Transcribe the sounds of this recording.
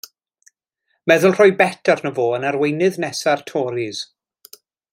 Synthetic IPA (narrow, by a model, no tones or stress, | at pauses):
mɛðʊlˠr̥ɔjbɛtʰarnəvoːənarwejnɨðnɛsartʰɔːɾiz̥